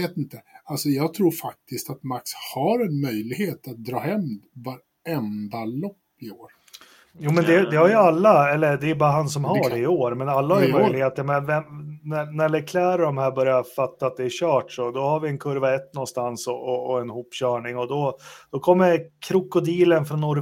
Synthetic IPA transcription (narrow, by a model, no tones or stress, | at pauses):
eːt̪ɪnt̪əalsɔjɑːɡt̪ʰɾuːɾfak̚t̪ɪst̪at̪makshaɾɛnmœjlɪɡheːt̪at̪̚d̪ɾɑːhɛmvaɾ | ɛnd̪alɔpːɪoːɾ | juːmɛnd̪ɛd̪ɛhaɾjɵalːaɛlːəd̪ɛjɵbɑːɾaɦansɔmɦaɖɛɪoːɾmɛnalːahaɾjmœʏjlɪɡheːt̪əmɛvɛmnænæɭɛkʰlæːɾɔd̪ɔmhæːɾbœɾjafat̪ːaːt̪̚d̪ɛːɾɕœːʈʂɔd̪ɔhaɾvɪɛnkʰɵɾvaɛt̪ːnɔnst̪ansɔʔɔːɛnhuːpːɕœːɳɪŋɔd̪ɔd̪̥ɔkʰɔmːəɾkʰɾʊkːʊd̪iːlənfɾɔnːɔɾ